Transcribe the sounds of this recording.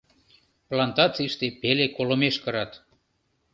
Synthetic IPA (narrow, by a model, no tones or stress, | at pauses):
plɑnt̪ɑt͡siʃt̪epelekolomeʃkəɾɑt̪